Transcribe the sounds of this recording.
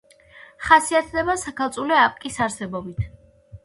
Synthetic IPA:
χasiat̪ʰd̪ɛbasakʰalˠt̪sʼulɛapʼkʼisaɾsɛbɔbit̪ʰ

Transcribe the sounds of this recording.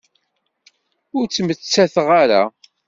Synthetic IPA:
ʊɾt͡sːmət͡sːæθəʁaɾa̰

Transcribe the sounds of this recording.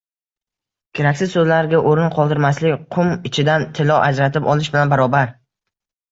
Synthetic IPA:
kʲʰeɾakʲsɪzsɵzlaɾɡʲaʔoɾɪnqʰɒlˠd̪ɪɾmaslɪkʲqʰʊmɪt͡ʃʰɪd̪ant̪ʰɪlɒʔad͡ʒɾat̪ʰɪpɒlˠɪʃbɪlanbaɾɒbaɾ

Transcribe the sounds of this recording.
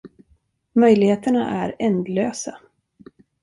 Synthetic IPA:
mœjlɪheːt̪əɳa̰ʔæɾɛnd̪løːsa

